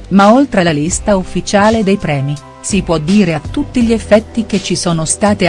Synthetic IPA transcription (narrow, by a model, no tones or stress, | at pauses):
maolt̪ɾelalist̪aufːit͡ʃaːled̪ejpɾɛːmi | sipwɔd̪ːiːɾeat̪ːut̪ːiʎiefːɛt̪ːik̟et͡ʃːisoːnost̪aːt̪i